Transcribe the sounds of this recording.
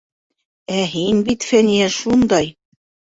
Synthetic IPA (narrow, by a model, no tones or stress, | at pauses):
æɦinbit̪fænijæʃund̪ɑj